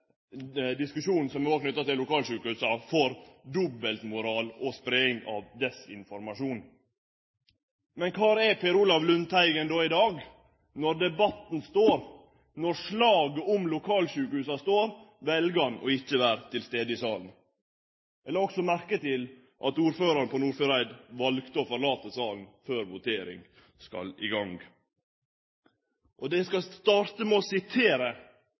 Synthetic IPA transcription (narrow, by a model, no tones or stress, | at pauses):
d̪ɪskʉʂuːn̩sɔmɛoːknʏt̪ːɑt̪ɪlːʊkɑːlʂʉːkəhʉːsɑfɔɾd̪ʊbːəlt̪mʊɾɑːlɔspɾɛːɪŋɑ̰ʋd̪ɛsɪ̰nfɔɾmɑʂuːn | mɛnkʰɑːɾɛpʰeːɾuːlɑʋlʉnt̪ʰæɪɡənd̪oːɪd̪ɑːɡ | nɔɾd̪ɛbɑt̪nst̪oːɾ | nɔɾʂɭɑːɡəɔmlʊkʰɑːlʂʉːkəhʉːsɑst̪oːɾʋɛlɡɑnɔ̰ɪçːəʋæːɾt̪ʰɪlst̪eːd̪əɪsɑːln | ɛləɾɔksɔmæɾkət̪ɪl | ʔɑ̰t̪uːɾføːɾɑɾnpʰɔnuːɾføɾæɪd̪ʋɑlɡt̪əɔːfɔɾɭɑːt̪əsɑːln̩føːɾʋʊt̪ʰeːɾɪ̰ŋ | skɑ̰lɪ̰ɡɑŋɡ | ʔɔd̪ɛskɑst̪ɑːɾt̪əmɛɔsɪt̪ʰeːɾə